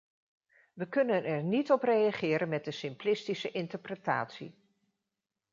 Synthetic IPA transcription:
ʋəkɵnənɛɹnitɔprejaχɪːɾənmɛd̚dəsɪmplɪstisəʔɪntəɹprəta̰ːtsḭ

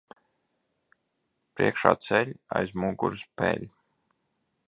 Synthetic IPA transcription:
pɾiɛkʃa̰ːt̪sɛlʲajzmuːɡṵɾspɛ̰lʲ

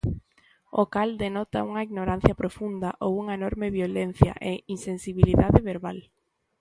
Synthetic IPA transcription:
o̰kald̪enɔt̪a̰uŋɐiɣnoɾan̟θjɐpɾofund̪aʔowuŋɐenɔɾmeβjolen̟θja̰ʔeinsensiβiliðaðɪβeɾβal

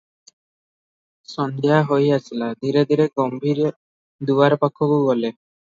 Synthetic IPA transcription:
sɔnd̪ʱeɦaɦojasilad̪ʱiɾed̪ʱiɾeɡɔmbʱiɾ | d̪uwaɾpakʰɔboɡɔle

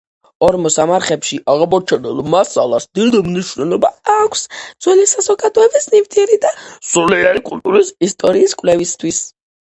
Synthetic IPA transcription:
ɔɾmɔsamaɾχɛpʃiʔaʁamɔɾt͡ʃʰɛnɛlˠmasa̰lˠasd̪ild̪ɛmniʃvnɛlɔbaakʷʰsd̪z̥wɛlisazɔɡad̪ɔɛbisnivt̪ʰiɛɾid̪asuliɛɾaɾikʼult̪ʼuɾisist̪ʼɔɾiːskʼwvlɛvist̪ʰwis

